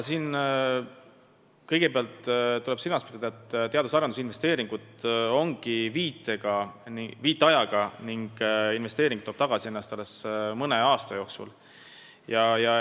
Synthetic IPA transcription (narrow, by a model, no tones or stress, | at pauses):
siːn | kɤjɡ̥e̞peɑlt̪ːt̪ːule̞b̥silmɑspit̪ɑd̪̥ɑet̪ːt̪e̞ɑd̪usɑɾɑnd̪usinve̞st̪e̞ːɾiŋɡ̥ut̪o̞ŋɡ̥iviːt̪ːˑeɡ̥ɑnviːt̪ːˑeɑjɑɡ̥ɑniŋɡ̥inve̞st̪eːɾiŋɡu̥t̪oːb̥t̪ɑɡ̥ɑsie̞nːɑst̪ɑlːe̞smɤne̞ɑːst̪ɑjo̞ːksṵl | jɑjɑ